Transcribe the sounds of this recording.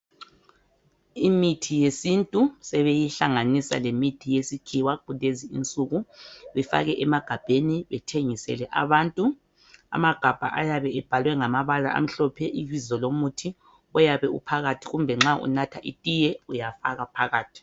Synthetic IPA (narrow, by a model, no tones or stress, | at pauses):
imitʰijesintʼusɛβejiɬaŋanisa̰lemitʰijesikʰiwaɡ͡ǃ̥ʱuleziḭnt͡sʼuɣuβɛfa̰ɣɛʔɛmaɡ̥ʱab̥ʱeniβɛtʰeŋisɛ̰lɛʔa̰βantʼu | a̰maɡ̥ʱab̥ʱa̰ʔajaβɛɛb̥ʱalwɛŋamaβala̰ʔa̰m̩ɬɔpʰɛʔiβizɔlomutʰi | ɔjaβɛṵpʰaɣatʰiɣumbʱɛŋ͡ǁaʔṵnatʰaʔitʼijɛujafa̰ɣapʰaɣaːtʰi̥